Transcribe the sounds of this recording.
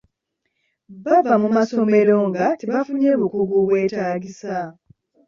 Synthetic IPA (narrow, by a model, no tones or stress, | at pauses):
βavamumaso̞me̞ɾo̞ŋɡatiβavuɲeβukuɡuβwe̞ːtaːɡisa